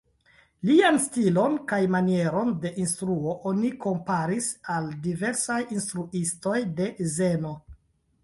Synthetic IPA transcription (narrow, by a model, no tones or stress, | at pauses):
lianstilo̞nkajmanie̞ɾo̞nde̞ʔinstɾuo̞ʔo̞niko̞mpaɾisaldive̞ɾsajinstɾuʔisto̞jde̞zeno̞